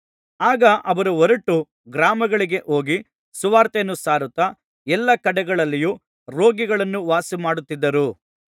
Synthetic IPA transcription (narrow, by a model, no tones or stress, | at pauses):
aːɡɐʔɐʋɐɾuɔɾɐʈːu | ɡɾaːmɐɡɐɭiɡe̞ʔo̞ːɡi | suʋaːɾt̪enːusaːɾut̪ɐ | ɛlːɐkɐɽɛɡɐɭɐlːijuː | ɾo̞ːɡiɡɐɭɐnːuʋaːsimaːɽut̪ːid̪ːɐɾu